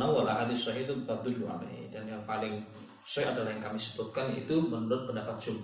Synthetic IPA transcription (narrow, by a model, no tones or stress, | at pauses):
nawalaɦadisɔɦit̪ubət̪ad̪ʊlua̰la̰hḭdanjaŋpalɪŋ | usɔjadalahjaŋkamisə̥but̪̚kanjaḭt̪umənuɾʊt̪̚pəndapat̪̚d͡ʒu